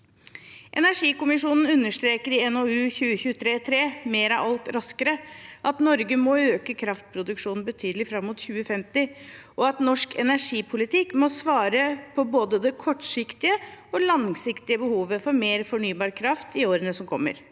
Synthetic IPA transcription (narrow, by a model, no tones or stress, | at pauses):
ʔɛ̰næʂiːkʊmɪʂuːnn̩ʉnːəʂt̪ɾeːkəɾɪɛnoːʉːçʉːəçʉːət̪ʰɾeːt̪ʰɾeːmeːɾɑʋɑlt̪ɾɑskəɾəʔɑt̪nɔɾɡəmɔøːkəkʰɾɑft̪̚pʰɾʊd̪ʉkʂuːnn̩bət̪ʰyːd̪lɪfɾɑmːʊːt̪çʉːəfɛmt̪ɪʔɔɑt̪nɔʂkʰɛ̰næʂiːpʰʊlɪt̪ʰɪkːmɔsʋɑːɾəpʰɔboːd̪əd̪ɛkʰɔʈʂɪkt̪ɪəɔlɑŋsɪkt̪ɪəbəhuːʋəfɔɾmeːɾfɔɳyːbɑːɾkʰɾɑft̪ɪoːɾənəsɔmkʰɔ̰mːə̰ɾ